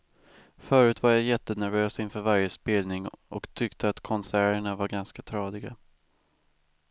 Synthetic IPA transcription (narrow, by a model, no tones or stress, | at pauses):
fœːɾʉ̟ːt̪vaɾjajɛt̪ːənæɾvøːsɪnfœːɾvaɾjəspeːlnɪŋɔ̰kt̪ʰʏkt̪əat̪kʰɔnsæːɾəɳavaɾɡanskat̪ʰɾɑːd̪ɪɡa̰